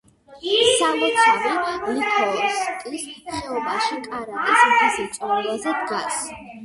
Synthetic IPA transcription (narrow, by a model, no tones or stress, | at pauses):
samɔt̪ʰɛvimit̪ʰɔɔskʼlist̪ʰɛɔbaʃikʼaɾat̪ʼisχʰasit̪sʼɔɾɛlazɛd̪ɡas